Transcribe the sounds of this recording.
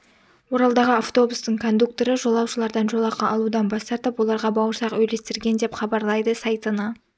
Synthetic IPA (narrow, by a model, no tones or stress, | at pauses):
wo̞ɾɑlˠd̪ɑʁəaft̪o̞bust̪əɴkʰo̞nd̪uk̚t̪o̞ɾəʒo̞lˠɑwʃəlˠɑɾd̪ɑnʒolˠɑqɑʔɑlˠud̪ɑnbɑst̪ɑɾt̪əpwo̞lˠɑɾʁɑbɑwəɾsɑqwɵjle̞st̪ɪɾɡʲe̞nd̪e̞pχɑbɑɾlˠɑjd̪əsɑjt̪ənɑ